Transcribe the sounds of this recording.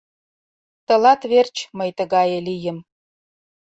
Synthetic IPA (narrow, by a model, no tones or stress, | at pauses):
t̪ə̆lɑt̪βert͡ɕməjt̪əɣɑjɤ̆lijə̆m